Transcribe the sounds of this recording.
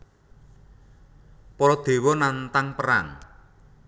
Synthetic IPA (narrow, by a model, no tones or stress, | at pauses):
pɔɾɔd̪̥e̤wɔnant̪aŋpəɾa̰ŋ